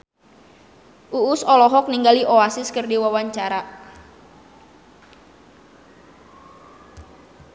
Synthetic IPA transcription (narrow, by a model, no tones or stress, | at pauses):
ʔuʊsɔlɔɦɔk̚niŋɡaliʔoasɪskərdiwawaɲt͡ʃaɾa